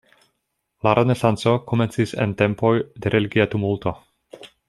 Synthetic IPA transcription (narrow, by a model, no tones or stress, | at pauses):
laɾʔe̞ne̞sant͡so̞kome̞nt͡sisḛnte̞mpo̞jdeɾʔe̞liɡiatumulto̞